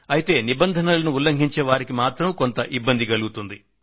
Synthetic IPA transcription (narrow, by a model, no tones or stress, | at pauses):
ɐjit̪e̞ːnibɐnd̪ʱɐnɐlɐnuulːɐŋɡʱiɲt͡ʃɛːʋaːɾikimaːt̪ɾɐmko̞nt̪ɐʔibːɐnd̪iɡɐluɡut̪und̪i